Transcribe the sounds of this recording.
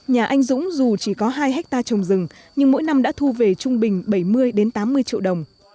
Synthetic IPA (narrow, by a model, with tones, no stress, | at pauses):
ɲaː˨˩ʔa˧jŋ̟zʊ̰˧˥ŋ͡mzu˨˩t͡ɕi˧˩kɔ˨˦ɦaː˧jɦɛ˦˥k̚t̪aː˧t͡ɕə˨˩wŋ͡mzɨ˨˩ŋ | ɲɨ˧ŋmo̰˧˥jna˧mɗa̰˧˥t̪ʰu˧ve˨˩t͡ɕʊ˧ŋ͡mɓï˨˩ŋ̟ɓə˧˩jmɨ˧əjɗe˨˦nt̪aː˨˦mːɨ˧əjt͡ɕḭ˧˨wɗə˨˩wŋ͡m